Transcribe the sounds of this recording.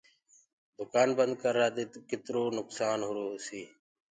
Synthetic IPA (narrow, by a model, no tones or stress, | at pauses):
d̪ʊkaːnbənd̪̚kəɾːaːd̪eːt̪kɪt̪ɾoːnʊksaːnɦʊɾoːsiː